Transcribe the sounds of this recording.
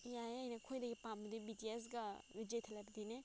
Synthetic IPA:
jajajnɐkʰojdɐɡipambɐdibitias̬ɡɐɾid͡ʒejtʰalajbɐdine

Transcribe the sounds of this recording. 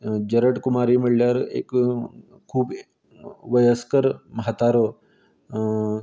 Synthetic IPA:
d͡ʒɐɾəʈkʊmaːɾimɪɭljaːɾḛːk | kʰːuːb | ʋəjəskəɾmɐɦat̪aːɾo

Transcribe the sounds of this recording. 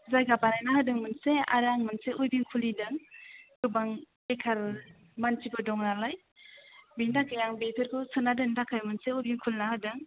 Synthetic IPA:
zajɡapanajnahadɯŋmɯnsea̰ɾaŋmɯnseujbiŋkʰulidɯŋɡɯbaŋ | ekʰal | mantibɯdɔŋnalaj | bindakɯjaŋbetʰɯɾkʰɯsɯnadɯŋdakʰajmɯnseujbiŋkʰulnahadɯŋ

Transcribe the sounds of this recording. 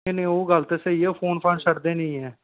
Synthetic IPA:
enẽːoːɡəlt̪eːseieːpʰoːnpʰaːnsəɽd̪eːnəĩːɦɛː

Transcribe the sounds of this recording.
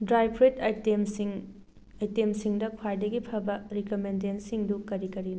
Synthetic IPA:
dɾajpʰɾetɐjtemsiŋ | ɐjtemsiŋdɐkʰwajdɐɡipʰɐbɐɾikomendensiŋdukɐɾikɐɾin

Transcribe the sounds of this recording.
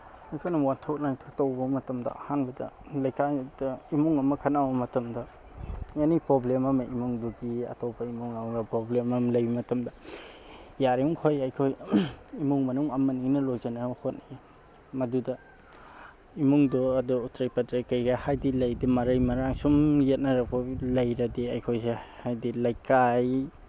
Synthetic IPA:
ajkʰojnɐwatʰok̚najtʰotɐwbɐmɐtɐmdɐ̰ɐ̰hanbɐdɐ̰lɐjkʰajdɐimuŋɐmɐkʰɐnawbɐmɐtɐmdɐ | anipɾoblemɐmɐimuŋduɡiɐ̰topɐimuŋawɾapɾoblemɐmlɐjimɐtɐmdɐ | jaɾiuŋkʰojajkʰojimuŋmɐnuŋɐmɐniŋnɐlojzɐnahot̚ni | mɐdudɐ | imuŋdɔɐdɔutʰɾajpɐtɾajkajɡɐhajdilɐjdimɐɾɐjmɐɾaŋsumjet̚nɐɾɐbʰolɐjɾɐdiajkʰojsehajdilajkaj

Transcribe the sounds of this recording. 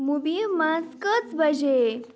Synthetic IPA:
mubimaskət͡sbəd͡ʑe

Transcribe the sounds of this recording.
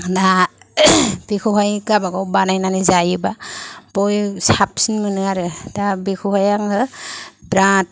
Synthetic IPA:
da | b̥ikʰuɦajɡabaɡɔwbanajnanɯzajɯbabɔjsap̚sinmɯnɯaɾɯdabikʰuɦajaŋɯbɾat̚

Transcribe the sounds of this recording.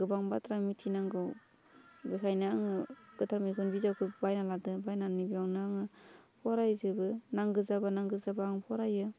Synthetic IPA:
ɡɯbaŋbatʰɾamitʰinaŋɡɯw | bekʰajnɯaŋɯɡ̥ɯtʰɾamikʰunbizawkʰɯbajnaladɯbajnanibiawnɯaŋɯpʰɔɾajzɯbɯnaŋɡɯzabanaŋɡɯzabaːŋpʰɔɾajɯ

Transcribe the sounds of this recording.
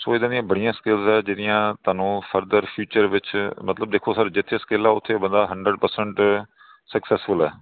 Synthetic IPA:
soːɪd̪ãːd̪ijãːbəɽɪjãːskɪlzɛːd͡ʒɪːdɪjãːt̪aːnũːpʰəɾd̪əɾpʰjuːt͡ʃəɾʋɪt͡ʃmət̪ləb̚d̪eːkʰoːsəɾd͡ʒɪt̪ʰːeːsə̥keːlaːʊt̪ʰːebənd̪aːɦəɳɖɾəɖpəɾsəɳʈ | səksɛːsfʰʊlɛː

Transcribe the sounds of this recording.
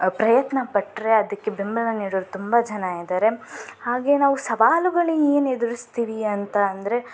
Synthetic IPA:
pɾɐjɐt̪nɐpɐʈːɾe̞ɐd̪ɐkːe̞bembɐlɐniːɽoːɾut̪umbɐd͡ʒɐnaid̪aːɾe̞haːɡe̞naːʋusɐʋaːluɡɐɭieːned̪uɾist̪iːʋiɐnt̪ɐːnd̪ɐɾe̞

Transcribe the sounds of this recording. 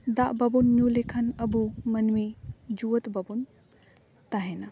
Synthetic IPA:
d̪aʔbɐbunːjulekʰɐnɐbumɐnmid͡ʒuwət̪bɐbun | t̪ɐɦena

